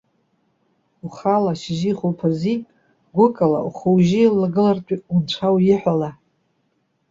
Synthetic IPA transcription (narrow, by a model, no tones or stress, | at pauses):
uχalaʃʒiχopʰazi | ɡʷʊkʼala̰uχawʒilɡɨlartʷʼiunt͡ʃʷʰawjɪħʷᶣala